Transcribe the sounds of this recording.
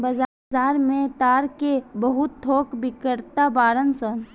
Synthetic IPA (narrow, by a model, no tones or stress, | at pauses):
bəz | aːɾmẽt̪aːɾkebəɦʊt̪ʰːoːkbɪkəɾt̪abaːɾənsən